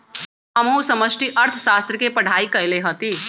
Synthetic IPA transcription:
ɦəmɦũsəməsʈiʔəɾt̪ʰəsast̪ɾəkepəɽ̤ʱaikəjleɦət̪i

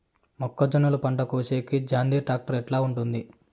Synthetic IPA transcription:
mɔkːɐd͡ʒɐnɐlupɐɳʈɐkoːseːkid͡ʒaːnd̪iːʈɾaːk̚ʈɐɾɛʈlaːuɳʈund̪i

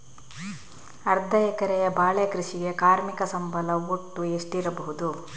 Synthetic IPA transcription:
ɐɾd̪ʱɐɛkɐɾɛjɐbaːɭekɾiʂiɡe̞kaːɾmikɐsɐmbʱɐlɐuʈːueʂʈiɾɐbɐɦud̪u

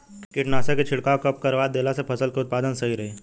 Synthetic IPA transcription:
kkiʈnasaket͡ɕʰiɽkaʋkəp̚kəɾʋad̪elasepʰəsəlkeut̪̚pad̪ənsəɦiɾəɦe

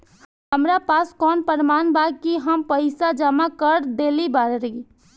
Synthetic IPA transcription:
ɦəmɾapaskɔnpəɾmanbaɡ̚kiɦəmpəɪsad͡ʒamakəɾd̪elibaɾɾi

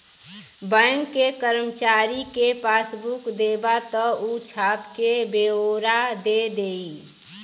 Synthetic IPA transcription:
bə̃ŋːekəɾəmət͡ʃaɾikepaːsbukd̪ebat̪əut͡ʃʰapkebeoɾad̪ed̪ei

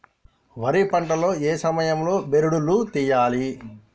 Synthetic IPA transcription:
ʋɐɾipɐɳʈɐlo̞ːeːsɐmɐjɐmlo̞ːbeɾuɽulut̪iːjaːli

